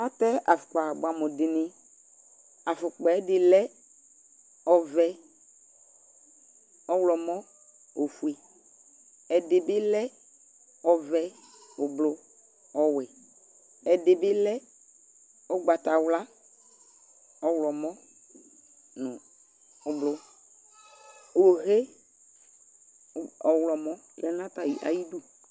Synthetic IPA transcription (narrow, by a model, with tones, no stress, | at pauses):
a˦t̪ɛ˦a˨fʊ˨k͡pa˨bʊ˦˨a˨mo˨dɪ˨nĩ˦ | a˨fʊ˨k͡pɔ˨ɛ˦dɪ˨lɛ˦ | ɔ˦vɛ˦ | ɔ˦wlɔ˨mɔ˦ | o˨fu˨˦i˦ | ɛ˨dɪ˨bɪ˦lɛ˦ | ɔ˦vɛ˦o˨blo˦ | ɔ˦wɛ˨ | ɛ˨dɪ˨bɪ˦lɛ˦ | o˦ɡ͡ba˨t̪a˨wla˦ | ɔ˨wlɔ˨mɔ̃˦ | nʊ̃˨ | ʊ˨blʊ˦˨ | wo˨ɦe˦˨ | ɔ˨wlɔ˨mɔ̃˦lɛ˦nã˦t̪a˨ji˨ʔa̰˨ji˦du˦